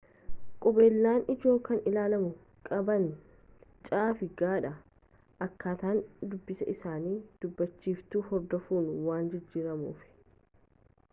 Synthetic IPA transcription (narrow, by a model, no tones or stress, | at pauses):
kʼɔbe̞ːlːaːnɪd͡ʒo̞ːkːɐnɪlaːlɐmʊ | kʼɐbɐn | t͡ʃʼaːfɪɡaːᶑɐ | ʔɐkːaːt̪aːnd̪ʊbːɪsɐʔɪsaːniːd̪̥ʊbːɐt͡ʃːiːft̪uːhɔɾd̪ɔfuːnʊwaːnd͡ʒɪd͡ʒːiːɾɐmṵːfɪ̥